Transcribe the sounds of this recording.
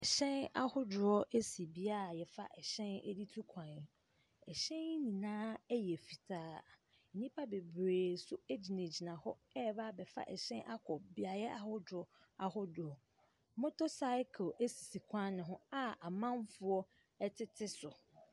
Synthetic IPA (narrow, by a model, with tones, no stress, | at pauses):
ɛ˨ɕɛ̃˦na̰˦hʊ˦dʊ˨ɾɔ˦ʔe˦si˨bi˦a˦˨jɛ˨fa̰˦ʔɛ˨ɕɛ̃˦nɛ̰˦di˦tʰu˦kʰã˨n˨ | ɛ˨ɕɛ̃˦n˦nĩ˨nãː˦jɛ˨fi˨tʰaː˦˨ | nĩ˦pʰa˦be˨bɾeː˨sʊ˦e˦d͡ʑi˨ne˨d͡ʑi˨nã˨hɔ˦ɛ˦˨ba˦˨bɛ˨fa̰˦ʔɛ̰˨ɕɛ̃˦nʔa˦kʰɔ˨bi˦a˨jɛ˦ʔa˨hʊ˦dɾɔ˦ | a˨hʊ˦dʊ˨ɔ˨˦ | mʊ̃˦tʰo˦sa˦ɪ˦kʰe˦si̥˨si˨kʷʰã˦nɪ̃˨ɦʊ̃˦a˦a˨mã˦nfʊ˦ɔ˦ | ɛ˦tʰɪ˦tʰɪ˦sʊ˨